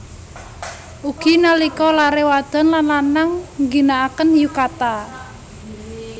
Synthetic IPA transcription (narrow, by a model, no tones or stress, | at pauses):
ʔuɡ̥i̤nalikɔlaɾewad̪̥ɔ̤nlanlanaŋŋɡinaːkənjukat̪a